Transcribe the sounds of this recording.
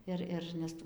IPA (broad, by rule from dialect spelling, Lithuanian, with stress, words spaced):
ˈɪr ɪr nʲɛs ˈtuː